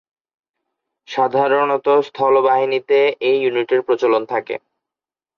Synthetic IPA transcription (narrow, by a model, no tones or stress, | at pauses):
ʃad̪ʱaɾonot̪ost̪ʰɔlobaɦinit̪eejːuniʈiɾpɾot͡ɕolont̪ʰakḛ